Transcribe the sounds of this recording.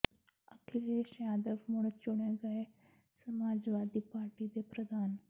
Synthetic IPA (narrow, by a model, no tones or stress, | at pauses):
əkʰɪleʃjaːd̪əʋmʊɽ̃t͡ʃʊɽ̃eɡɐe | sɐmaːd͡ʒʋaːd̪ipaːɾʈid̪epɾəd̪ʱaːn